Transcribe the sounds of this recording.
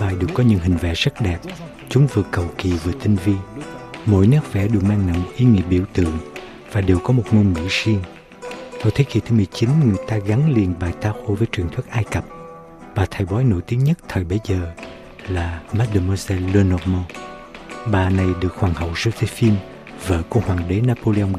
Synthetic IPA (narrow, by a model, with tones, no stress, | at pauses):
ɓaː˨˩jɗɨ˨˩əkːɔ˨˦ɲɨ̰˧˥ŋɦhï˨˩ŋ̟vɛ̰˧˥z̥ə˦˥t̚ɗɛ˨˩p̚ | t͡ɕʊ˨˦ŋ͡mvɨ˨əkə˨˩wki˨˩vɨ˨˩ət̪ï˧ŋvi˧ənmo̰˧˥jnəː˦˥k̚vɛ̰˧˥ɗɨ˨˩kmaː˧ŋna̰˧˩mʔi˨˦ŋḭ˧˥əp̚ɓḭ˧˩əwt̪ɨ̰˧˨əŋ | vaː˨˩ɗe˨˩wkɔ˨˦mo˨˩t̚ŋo˧nŋḭ˧˥si˧əŋ | t̪ɔ̰˧˩jt̪ʰe˨˦ki˨˩t̪ʰɨ˨˦mɨ˨˩əjt͡ɕi˨˦nŋɨ˨˩əjt̪aː˧ɣa˨˦ŋli˨˩ənɓaː˨˩jt̪aː˧xo˧vəː˨˦jt͡ɕwḭ˨˩əŋt̪ʰwi˦˥t̚ʔaː˧jkə˨˩p̚ | ɓaː˨˩t̪ʰə˨˩jɓɔ˨˦jno̰˧˨jt̪i˨˦əŋɲə˦˥t̚t̪ʰəː˨˩jɓə˨˦jzəː˨˩ | laː˨˩ma˦˥t̚ɗə˧˩mɔ˧sɛ˧lo˧nɔ˧mo˧ | ɓaː˨˩na˨˩jɗɨ˨˩ək̚hwaː˨˩ŋhə̰˧˨wzɨ˧t̪ʰe˧˦fi˧n | və̰ː˧˨kṵ˧hwaː˨˩ŋɗe˨˦naː˧po˧le˧ə˧wŋ͡m